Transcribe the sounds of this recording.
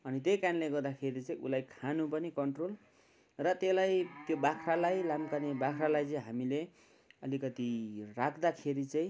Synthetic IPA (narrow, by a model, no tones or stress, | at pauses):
ʌnit̪ejkanleɡʌrd̪akʰeɾit͡sʌĩʔṵlajkʰanupʌnikʌɳʈrol | rʌt̪elajt̪jobakʰralajlamkanebakʰɾalajt͡sʌĩɦamile | ʌlikʌt̪irakʰd̪akʰeɾit͡saĩ